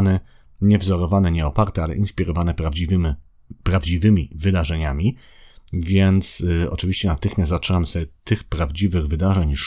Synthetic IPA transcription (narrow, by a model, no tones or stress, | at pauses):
nɛ | ɲɛvzɔɾɔvanɛɲɛɔpaɾt̪ɛalɛ̰ʔinspʲiɾɔvanɛpɾad͡ʑiv | pɾavd͡ʑivɘmʲivɘd̪aʐɛɲamʲi | vʲjɛnt̪sɔ̰t͡ʂɘvʲiɕt͡ɕɛnat̪ɘxmʲjast̪zatt͡ʂʂɛnamsɛt̪ɘxpɾavd͡ʑivɘɣvɘd̪aʐɛɲʂ